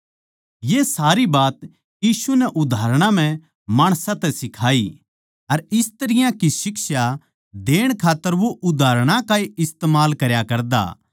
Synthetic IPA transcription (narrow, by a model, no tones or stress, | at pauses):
jesaːɾibaːt̪ | jiːsunɛʔʊd̪ʱaːɾɽ̃ãm̤ɛ̃ | maːɽ̃sãt̪ɛsɪkʰaːi | ɐɾɪst̪ɐɾɪjãkisɪkʃa | d̪eːɽ̃kʰaːt̪ːəɾʋoʔʊd̪ʱaːɾɽ̃ãkaːiɪst̪eːmaːlkɐɾjakɐɾd̪a̰ː